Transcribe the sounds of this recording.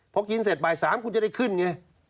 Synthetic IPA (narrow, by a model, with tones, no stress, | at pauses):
pʰɔ˨˦˥ki˧nse˨˩t̪̚baː˨˩jsaː˨˦mkʰu˧nt͡ɕa˨˩da˥˩jkʰɯ˥˩nŋa˧˩